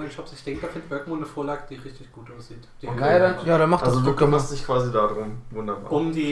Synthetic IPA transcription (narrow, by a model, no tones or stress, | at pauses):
nʃɔpsɪçd̥ɛŋk̚d̥aːfɪndb̥œɐk̚moːnnəfoːɐlaːɡəd̥iːʁɪçtɪçɡ̥uːtʔaʊsz̥iːtd̥iɡadanjaːɾanmaχtazodu̥amasz̥ɪçkv̥aːzidaːdʁʊmvʊndɐba̰ːʊmdiː